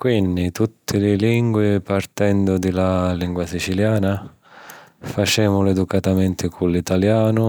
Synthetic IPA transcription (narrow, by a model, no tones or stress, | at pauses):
kwind̪it̪ut̪ʰːɪlɪliŋɡwɪpart̪ɛnd̪ʊd̪ɪlaliŋɡwasit͡ʃiljaːna | fat͡ʃɛːmʊlɛd̪ukat̪amɛnt̪ʰɪkʰulit̪aljaːnʊ